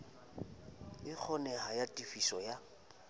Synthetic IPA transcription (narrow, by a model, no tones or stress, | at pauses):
ɪk͡xʰɔnɛhajatʼifisɔja